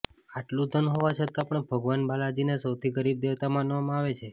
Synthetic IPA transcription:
aʈlũd̪ʱənɦoʋat͡ʃʰət̪apəɳbʱəɡʋanbalad͡ʒinesəwt̪ʰiɡəɾib̚d̪eʋt̪amanʋamãaʋet͡ʃʰe

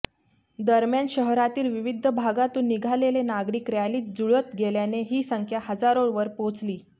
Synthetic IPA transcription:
d̪əɾmjanɕəɦɾat̪iːlʋiʋid̪ʱːəbʱaɡat̪uːnːiɡʱalelenaɡɾikɾjaliːt̪̚d͡zuɭət̪ɡeljaneɦiːsəŋkʰjahəd͡zaɾoʋəɾpõt͡sliː

